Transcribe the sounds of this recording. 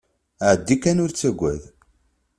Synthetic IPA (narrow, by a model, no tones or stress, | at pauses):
ʕd̪ːikːænʊɾt͡sːæɡʷːæ̰ð